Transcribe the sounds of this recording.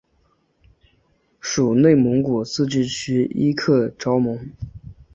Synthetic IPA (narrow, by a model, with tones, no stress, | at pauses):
ʂu˨˩ne˥˩ɪmɤ˧˥ŋku˨˩t͡sʰɹ̩˥˧t͡ɕy˥˩t͡ɕʰy˥i˥kʰɤ˥˩ʈ͡ʂɑ˥ʊmɤ˧˥ŋ